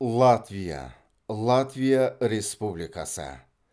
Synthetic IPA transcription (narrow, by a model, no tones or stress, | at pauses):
lˠat̪vʲija̰ | lˠat̪vʲijaɾespublʲɪkasɨ̰